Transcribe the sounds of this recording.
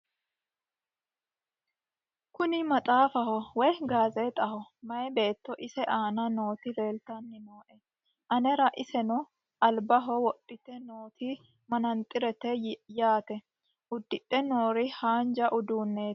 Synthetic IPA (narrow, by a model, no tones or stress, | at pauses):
kʊnɪmɐt̪ʼaːfɐhɔwɛjɡaːzɛt̪ʼɐhɔmɐjɛbe̞ːt̪ːɔʔɪsɛʔaːnɐno̞ːt̪ɪle̞ːlt̪ɐnːɪnoːʔɛ | ʔɐnɛɾɐʔɪsɛnɔ | ɐlbɐɦɔwɔɗʼːɪt̪ɛnoːt̪ʰɪ | mɐnɐnt̪ʼːɪɾɛt̪ɛjaːt̪ɛ | ʔʊd̪ːɪᶑʼːɛno̞ːɾɪhaːnd͡ʒɐʔʊd̪uːnːeː